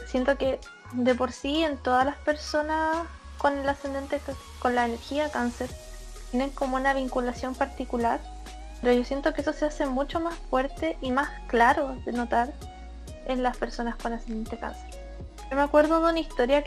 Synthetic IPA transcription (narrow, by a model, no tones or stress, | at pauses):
sje̞nt̪o̞ke | d̪e̞po̞ɾsient̪o̞ðalaspe̞ɾso̞nas | ko̞nelasend̪e̞nt̪e | ko̞nlaene̞ɾxiakanseɾ | t̪jene̞ŋko̞mounaβiŋkulasjo̞mpaɾt̪ikulaɾ | peɾoʝo̞sje̞nt̪o̞keesosease̞mut͡ʃo̞masfwe̞ɾt̪e̞ʔimasklaɾoðeno̞t̪aɾ | enlaspe̞ɾso̞naskonasend̪ent̪eka̰nseɾ | ʝomeakwe̞ɾðoðeunaist̪o̞ɾja